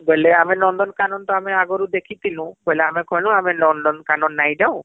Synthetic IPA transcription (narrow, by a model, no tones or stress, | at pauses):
ɡɔjleamenɔnd̪ɔnkanɔnt̪ɔameaɡɔɾud̪ekʰit̪ʰilũɡɔjleamekʰɔjlũamelɔnɖɔnkanɔnːajd͡ʒawʊ̃